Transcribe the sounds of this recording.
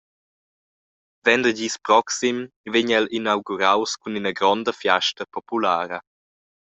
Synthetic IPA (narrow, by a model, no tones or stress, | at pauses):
vɛnd̪əɟiːspɾɔksim | veɲɛlinawɡuɾawskuninəɡɾɔnd̪əfjaʃtəpɔpulaːɾə